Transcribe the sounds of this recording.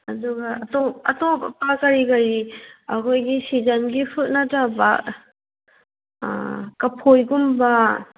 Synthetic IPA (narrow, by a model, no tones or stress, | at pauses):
ɐduɡaɐtɔpɐtɔpa̰pakɐɾikɐɾiɐkʰojɡisizanɡipʰut̚nataba | kɐpʰojɡumba